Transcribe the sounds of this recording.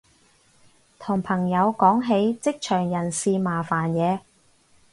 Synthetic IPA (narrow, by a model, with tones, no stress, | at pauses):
t̪ʰʊ˨˩ŋpʰɐ˨˩ŋjɐ˨˧wkɔː˨˥ŋɦe˨˥jt͡sɪ˥k̚t͡ʃʰœː˨˩ŋjɐ˨˩nsiː˧maː˨˩faː˨˩njɛː˨˧